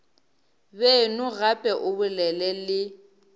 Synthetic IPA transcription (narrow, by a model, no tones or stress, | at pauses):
bɛnʊɣapʼɛʔʊbʊlɛlɛlɪ